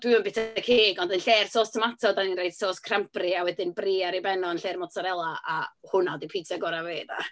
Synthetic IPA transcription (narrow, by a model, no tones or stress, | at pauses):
d̥wɪəmbɪtʰkʰeːɡɔndənɬeːrsoːstʰəmatʰɔdaninrejd̥soːskʰramprɨawɛdɪnbriːaɾibɛnɔənɬeːrmɔtʰaɾɛlˠaʔahʊnadipʰitʰaɡɔɾaveːda̰